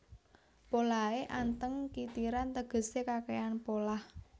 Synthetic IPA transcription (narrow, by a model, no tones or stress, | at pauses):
polaeʔant̪əŋkit̪iɾant̪əɡ̥ə̤sekakeanpolah